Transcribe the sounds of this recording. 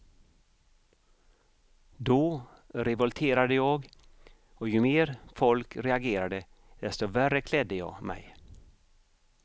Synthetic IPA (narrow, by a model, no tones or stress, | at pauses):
d̪ɔː | ɾɛvɔlt̪ʰeːɾad̪əjɑːɡ | ɔjɵmeːɾfɔlkɾɛaɡeːɾad̪ə | d̪̥ɛst̪ɔværːəkʰlɛd̪ːəjɑ̰ːɡmɛ̰j